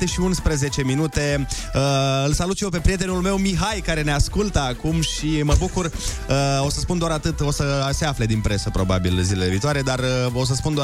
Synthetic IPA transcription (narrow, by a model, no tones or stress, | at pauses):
t̪eʃiunspɾeze̞t͡ʃe̞minut̪e̞ | əɨlsalut̪jewp̬e̞pɾie̞t̪̬e̞nulme̞wmiɦajkaɾe̞ne̞askult̪əakumʃiməbukur | əo̞səspund̪oaɾat̪ɨt̪o̞səse̞afle̞d̪inpɾe̞səpɾo̞ba̰bḭlzile̞le̞viːt̪oaɾed̪arəo̞s̬əspund̪oa